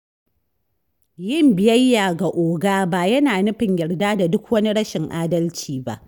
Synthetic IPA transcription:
jɪ˦˨mbɪ˨jɐ˦jːaː˨ɡa˨ʔoː˨ɡaː˦ba˦˨jɐ˦naː˨nʊ˦ɸɪ˨ɲjɐ˨ɽdaː˦da˨dʊ˦k̚wɐ˦ni˦ɽɐ˦ʃɪ˨ŋʔaː˦dɐ˦lt͡ʃiː˨ba̰˦ʔ

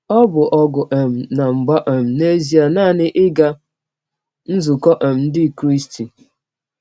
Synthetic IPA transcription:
ɔ˦bʊ˨ʔɔ˦ɡʊ˨ʔe˨m̩˨na˨ŋ͡m̩˨ɡ͡ba˦ʔe˨m̩˨ne˦zi˨a˨naː˦˨nɪ˦ʔɪ˦ɡa˦ | n̩˦zu˨kɔ˦ʔe˨m̩˨n̩˦dɪ˦˨kɾi˦sti˨

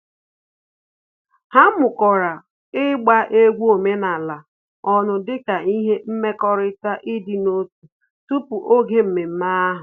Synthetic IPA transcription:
ha˦mʊ˨kɔ˨ɾa˨ | ɪ˦ɡ͡ba˦ʔe˦ɡʷo˨me˦na˨la˨ | ɔ˦nʊ˨dɪ˦ka˨i˦ɦe˦m̩˦me˦kɔ˦ɾɪ˦ta˦ʔɪ˦dɪ˨no˦tu˨ | tu˦pu˨ʔo˦ɡe˦m̩˨me˨m̩˦ma˦ɦʊ˨

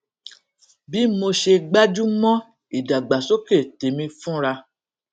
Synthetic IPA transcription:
bi˨˦mo˧ʃe˧ɡ͡ba˦d͡ʒu˦mɔ̃˦ | i˨da˨ɡ͡ba˨so˦ke˦˨te˨mĩ˧fũ˦ɾa˧

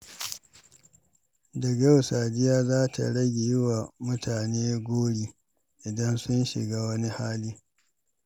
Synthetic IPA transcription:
dɐ˨ɡa˦wsaː˨d͡ʒɪ˦jaː˦zaː˦tʰa̰˨ɽɐ˦ɡʲe˨jɪ˦wa˨mʊ˦tʰaː˨neː˦ɡʷoː˦ɽiː˦ | ʔɪ˨dɐ˦nsʊ˦nʃɪ̰˨ɡaː˦wɐ˦ni˦haː˦liː˦

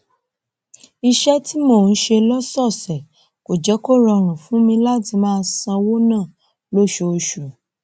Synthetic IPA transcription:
i˧ʃɛ˦ti˦moː˦˨n̩˦ʃe˧lɔ˦sɔ˦˨sɛ˨ | ko˨d͡ʒɛ˨˦ko˦˨ɾɔ˧ɾ̃ũ˨fũ˨˦mĩ˧la˦ti˧mãː˦˧sã˧wo˦nãː˦˨ | lo˦˨ʃo˧ʃu˨

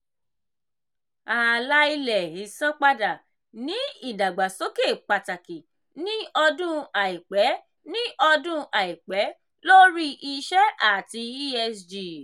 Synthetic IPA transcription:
a˨la˦i˧lɛ˨i˨˦sã˦k͡pa˧da˨ | nĩ˨˦i˦˨da˨ɡ͡ba˨so˨˦ke˦˨k͡pa˨ta˨ki˨ | nĩ˦ɔ˧dũ˦a˨i˨k͡pɛ˨˦ | nĩ˦ʔɔ˧dũ˦ʔa˨i˨k͡pɛ˨˦ | lo˦ɾi˦ʔi˧ʃɛ˦a˦˨ti˧i˦ɛ˧sd͡ʒi˨

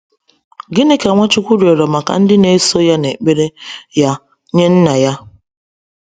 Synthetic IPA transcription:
ɡɪ˦ne˦ka˨ŋʷa˦t͡ʃʊ˦kʷu˦ɾi˨o˨ɾɔ˨ma˨ka̰˨n̩˦dɪ˦ne˦so˦ja˦ne˨k͡pe˦ɾe˦ja˦ | ɲe˦n̩˦na˨ja˦

